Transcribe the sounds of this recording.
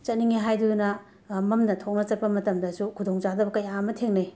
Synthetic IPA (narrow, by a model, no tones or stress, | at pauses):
t͡ʃɐt̚niŋiɦajdudunɐ | mɐmnɐtʰok̚nɐt͡ʃɐt̚pɐmɐtɐmdɐsukʰudoŋt͡ʃadɐbɐkɐjamɐtʰeŋnɐj